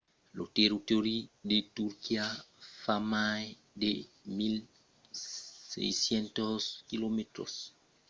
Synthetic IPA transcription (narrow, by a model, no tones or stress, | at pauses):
loteɾitoɾidetuɾkiafamaj | demil | sɛ̰jsjɛntɔskilometɾɔ̰s